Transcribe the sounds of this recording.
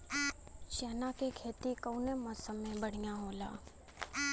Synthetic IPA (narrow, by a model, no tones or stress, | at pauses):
ʃeːnakekʰeːt̪ikəʊnemɔːsəmːẽbəɽ̤ijãɦoːla̰ː